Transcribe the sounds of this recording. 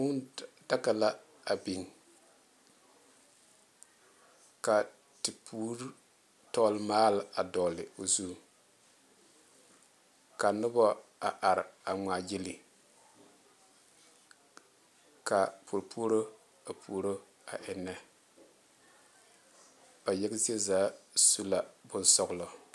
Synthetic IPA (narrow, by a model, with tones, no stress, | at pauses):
mʊ˦nda˦ka˨la˦ | a˨bi˨ŋ | ka˨ | tɪ˨pʰu˦ɾ | tɔ˦lmaː˦la˨dɔː˨lɪ˨o˨zu˦ | ka˨nʊ˦bɔ˦a˨ʔa˨ɾa˨ŋaː˨jɪ˦li˨ | ka˨pʰu˨ɾpʰu˦o˦ɾo˦ | a˨pʰu˨˦ɾo˦ | a̰˨ʔɪ˨nːɛ˦ | b̥a˨jɛ˦ɡzi˦e˦zaː˨˦su˦la˨bʊ˦nsɔ˦ɣʊ˦lɔ˨